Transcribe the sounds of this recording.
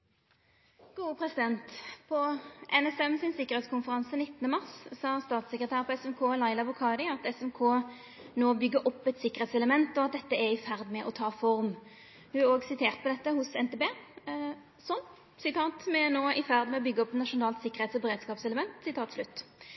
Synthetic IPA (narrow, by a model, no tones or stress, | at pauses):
ɡ̥uːəpʰʁɛsɪd̪ɛnt̪pʰɔʔɛnɛsɛmsɪnsɪkəʁhɛːt̪skʊnfəʁɑnsənɪt̪ːənəmɑʁssɑːst̪ɑːt̪sɛkʁət̪ʰæːʁpʰɔɛsɛmkʰoːlɑɪlɑbʊkʰɑːd̪ɪɑt̪ɛsɛmkʰoː | noːbʏɡːəʔɔpːɛt̪sɪkːəʁ̩eːt̪sɛləmɛnt̪ɔɑt̪̚d̪ɛt̪ːəɛʁɪfæʁd̪mɛʔɔt̪ʰɑːfɔʁm | hʉoːɡsɪt̪ʰeːʁt̪̚pɔd̪ɛt̪ːəhʊsɛnt̪eːbeː | sɔm | sɪt̪ʰɑːt̪mɛnoːʔɪfæʁd̪mɛɔbʏɡːəɔpːɛt̪nɑʂʊnɑːlt̪sɪkːəʁeːt̪sɔbɛʁeːd̪skɑːpsɛləmɛnt̪sɪt̪ʰɑːt̪slʉt̪ː